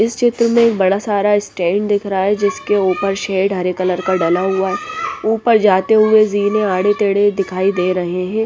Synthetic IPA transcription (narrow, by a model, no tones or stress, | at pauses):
ɪst͡ʃɪt̪ɾəmẽːk̚bɐɽasaːɾaɪsʈɛ̃ːɳɖd̪ɪkʰɾɐɦaɦɛd͡ʒɪskeuːpəɾʃɛːɖʱɦɐɾekɐləɾkaɖɐlaɦʊaɦɛuːpəɾd͡ʒaːt̪eɦʊeziːneaːɽet̪eːɽed̪ɪkʰaːid̪eːɾɐɦeɦɛ̃ː